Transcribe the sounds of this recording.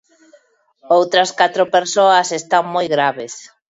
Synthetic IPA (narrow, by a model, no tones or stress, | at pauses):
owt̪ɾɐskat̪ɾopeɾsoɐsest̪aŋmojɣɾaβ̞es